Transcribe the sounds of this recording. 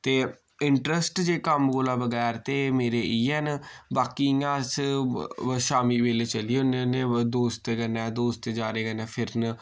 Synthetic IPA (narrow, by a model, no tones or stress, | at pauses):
t̪eː | ɪɳʈɾəsʈd͡ʒeːkəmɡoːlãːbəɡɛːɾt̪eːmeːɾeːʔiːɛːnbaːkiːãːs | ʃaːmiːʋeːleːt͡ʃəliːʊneneːd̪oːst̪eːɡənɛ̃ːd̪oːst̪eːd͡ʒaːɾeːkənɛːpʰɪɾn